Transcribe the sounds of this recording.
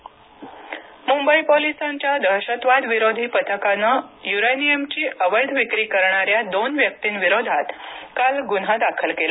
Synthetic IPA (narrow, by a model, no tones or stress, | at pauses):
mumbəipolisaɲt͡ɕjad̪ʱəɾɕət̪ʋad̪ʋiɾod̪ʱiːpət̪ʰəkanəjuɾenijemt͡ɕiːʔəʋəjd̪ʱʋikɾiːkəɾɳ̃aɾjad̪onʋjək̚t̪iːnʋiɾod̪ʱat̪kalɡunad̪akʰəlkela